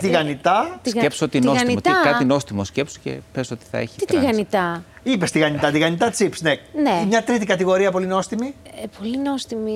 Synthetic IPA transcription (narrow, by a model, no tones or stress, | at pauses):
t̪iɣɐnit̪ɐt̪isɣɐepsoot̪innosɐniot̪ɐkɐt̪ino̞st̪imoscepso̥cḛpesot̪i̥θɐ̰ḛçi̥t̪t̪ɾiɣɐnit̪ɐ | ipe̞st̪iɣɐnit̪ɐt̪iɣɐnit̪ɐt͡sipsneneimɲɐt̪ɾit̪̬ikɐt̪iɣo̞ɾiɐpo̞lino̞st̪imipolinost̪imi